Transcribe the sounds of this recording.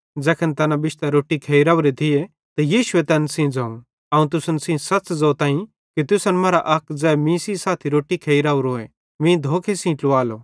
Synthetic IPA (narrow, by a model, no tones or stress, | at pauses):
d͡zɛːkʰənt̪ɐnabɪʃt̪aɾoːʈikʰeːiɾaːuɾet̪ʰɪe | t̪ɐjiːʃʊet̪ɛːnsĩd͡zaːũ | ɐːũt̪̬ʊsənsĩsɐt͡sd͡zɐt̪ãːĩ | kit̪ʊsənmɐːɾaʔɐkʰd͡zɛːmĩːsisaːt̪ʰiɾoːʈikʰeːiɾaːuɾoːe | mĩːd̪ʱoːkʰesĩːʈlʊʋaːloː